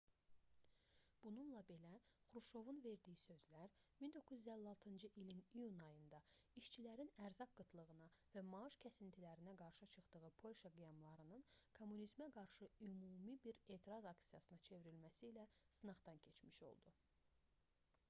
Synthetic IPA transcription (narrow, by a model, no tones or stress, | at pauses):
b̥ununlˠɑbe̞læχuɾuʃo̞vunve̞ɾd̪ijisø̞zlæɾmind̪o̞kʰːɯzyd̪ælːɑlˠt̪ʰɯnd͡ʒɯʔilinijunɑjɯnd̪ɑiʃt͡ʃʰilæɾinæɾzɑk̚ɡɯt̪ʰlˠɯʁɯnɑvæmɑɯʃcʰæsint̪ʰilæɾinæɡɑɾʃɯt͡ʃʰɯχd̪ɯɣɯpʰo̞lʲʃɑɡijɑmlˠɑɾɯnɯnkʰo̞mːunizmæɡɑɾʃɯymuːmibiɾe̞ːt̪ʰiɾɑzɑksijɑsɯnɑt͡ʃʰe̞viɾilmæsiːlæsɯnɑʁd̪ɑncʰe̞t͡ʃmiʃo̞̰lˠd̪u